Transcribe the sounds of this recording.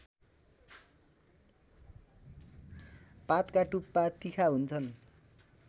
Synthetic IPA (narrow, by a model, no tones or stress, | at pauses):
pat̪kaʈupːat̪ikʰaɦunt͡sʰʌn